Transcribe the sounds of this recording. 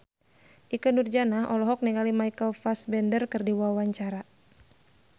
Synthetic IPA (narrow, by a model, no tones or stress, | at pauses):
ʔikənurd͡ʒanaɦɔlɔɦɔk̚nɛŋalimajkəlfasbɛndərkɨrdiwawaɲt͡ʃaɾa